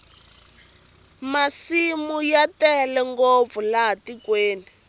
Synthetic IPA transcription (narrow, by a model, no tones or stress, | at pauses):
masimujatɛlɛŋɡop̪fulatikweːni